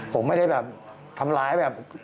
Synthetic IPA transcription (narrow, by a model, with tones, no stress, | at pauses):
pʰo˩˦mːa˥˩jda˥˩jbɛː˨˩p̚ | t̪ʰa˧mlaː˨˦˥jbɛː˨˩p̚